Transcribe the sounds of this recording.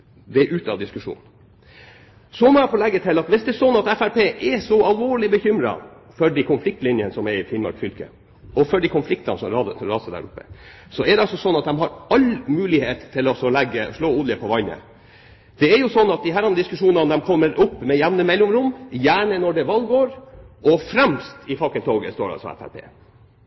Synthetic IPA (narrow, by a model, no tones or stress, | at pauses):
d̪ɛʔʉːt̪ɑ̰d̪ɪskʉʂṵːn | sɔmɔɛfɔːlɛɡːət̪ʰɪlɑt̪ʋɪsd̪ɛːsɔnːɑt̪æfæɾpʰeːʔɛsɔɑlʋoːɭɪbəçʏmɾɑ̰ | fɔɖikʰʊnflɪk̚t̪lɪnjənəsɔmɛɾɪfɪnmɑ̰ɾkfʏlkə̰ | ɔfɔɖɪkʰʊnflɪkt̪ɑ̰nəsɔ̰mɑɾɑːsəd̪æ̰ɾʊpːə | sɔɛd̪ɛɑlsɔsɔnːɑt̪̚d̪ɛmɦɑɾɑlmʉːlɪheːt̪t̪ʰːɪlɔsɔlæɡːəʂɭoːuːd̪əpʰɔʋɑɪnə̰ | d̪̥ɛæɾjʊsɔnːɑt̪̚d̪ɪɦæːɾɑnːəd̪ɪskʉʂuːnɑnd̪ɛmkʰɔmːəɾʊpːmɛjæʋnəmɛlːʊmɾʊmːjæːɳənɔɖɛʋɑlɡoːɾʔɔfɾæmst̪ʰɪfɑkːənt̪ʰoːɡəst̪oːɖɑ̰lsɔ̰ɛ̰fæ̰ɾpʰḛː